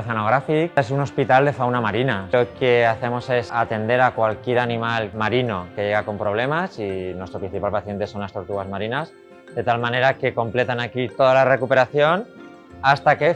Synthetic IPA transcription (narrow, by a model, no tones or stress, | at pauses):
θeno̞ɣ̞ɾafikesuno̞spit̪ald̪e̞fawnamaɾinao̞ke̞aθe̞mo̞se̞sat̪e̞nd̪e̞ɾakwalkje̞ɾanĩmalmaɾino̞ke̞ʝe̞ɣ̞ako̞mpɾo̞β̞le̞masinwest̪ɾo̞pɾĩnθipalpaθje̞nt̪e̞so̞nlast̪o̞ɾt̪uɣazmaɾinas | d̪e̞t̪almãne̞ɾake̞ko̞mple̞t̪anakit̪o̞ðalare̞kupe̞ɾaθjo̞n | ast̪ake̞